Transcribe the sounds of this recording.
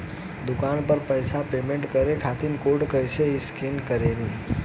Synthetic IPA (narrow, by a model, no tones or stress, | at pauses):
d̪ʊkanpəɾpəjsapemẽɳʈkəɾekʰat̪inkoʈkəjt͡ʃʰeiskinkəɾenĩ